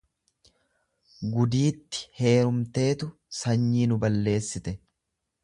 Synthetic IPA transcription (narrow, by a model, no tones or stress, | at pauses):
ɡʊd̪iːt̪ːɪ̥he̞ːɾʊmt̪e̞ːt̪ʊ | sɐɲːiːnʊbɐlːe̞ːsːɪt̪ɛ